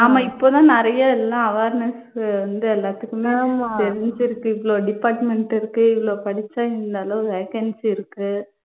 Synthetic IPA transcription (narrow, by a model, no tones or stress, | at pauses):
aːmãːɪpːoːt̪ãːnɪɾɐjɐɛlːãːɐʋeːɾnɐs | ʋɐnd̪ɯɛlːaːt̪ːɯkːɯmeːmat̪ɛɾɪɲd͡ʒɪɾɯkːɯɪʋɪɭoːɖɪpaːɾʈmɛɳʈɪɾɯkːɯɪʋɪɭoːpɐɽɪt͡ʃːaːɪɾɯnd̪aːlõʋeːkɐnsɪɾɯkːɯ